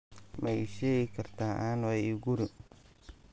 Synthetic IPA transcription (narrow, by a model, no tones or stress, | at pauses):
mɛjʃɛːɣɪkʰɐrt̪ʰaːʔaːnwɛjɪɡʊɾɪ